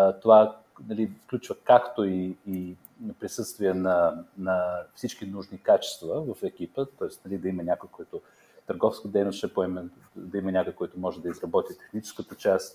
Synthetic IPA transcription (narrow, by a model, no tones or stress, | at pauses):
t̪ova | nɐlifklʲut͡ʃvəkakt̪oiː | pɾisɤst̪viənɐnɐfsit͡ʃkinuʒnikat͡ʃɛ̥st̪vəvɐfɛk̟ipət̪ɔɪst̪nɐlid̪ɐimənʲakʊjkojt̪ʊ | t̪əɾɡɔfskəd̪ɛjnosʃɛpoɛmɛ | d̪ɐimɐnʲakʊjkɔjit̪ʊmɔʒɛd̪ɐizɾɐbɔt̪ʲit̪ɛ̥xnit͡ʃɛ̥skət̪ət͡ʃas